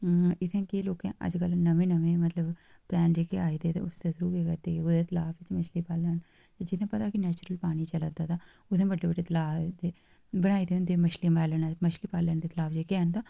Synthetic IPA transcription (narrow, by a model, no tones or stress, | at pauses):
ɪt̪ʰẽːkeloːkḛ̃ːʔə̰d͡ʒkəlnəʋẽːnəʋẽːmət̪ləb | plɛːnd͡ʒeːkeaːid̪eːt̪ḛːʊsd̪eːsɾuːkeːkəɾd̪eːʊd̪eːt̪ʰəlaːfʋɪt͡ʃməʃliːpaːləːn | t̪ed͡ʒɪt̪ʰẽːpət̪aːkɪnɛːt͡ʃɾəlpaːɽ̃it͡ʃələd̪aːt̪aː | ʊt̪ʰẽːbəɖːeːbəɖeːt̪əlaːd̪eː | bəɽ̃aːid̪eʊnd̪eməʃliːmaːlənːməʃliːpaːləːnd̪eːt̪əlaːfd͡ʒeːkeãːnd̪aː